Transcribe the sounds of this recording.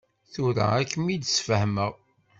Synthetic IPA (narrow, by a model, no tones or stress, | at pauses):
θuɾæ̰ækːmid̪sfəhməʁ